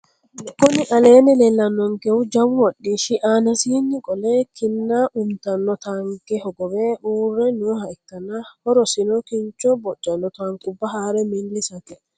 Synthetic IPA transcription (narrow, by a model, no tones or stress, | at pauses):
kːʊnɪʔɐleːnɛlɛlːɐnːɔŋkɛʊd͡ʒɐwwɔɗːiʃɪʔaːnɐsiːnːɪkʼɔlɛkʰɪnːaʔʊmt̪ɐnːɔt̪aŋkɛhɔɡɔwɛʔuːrːɛnʊhɐɪkːɐnɐhɔɾɔsɪnɔkɪnt͡ʃːɔbɔt͡ʃʼːɐnːɔt̪aŋkʼʊbːɐɦaːɾɛmɪlːɪsɐt̪ɛ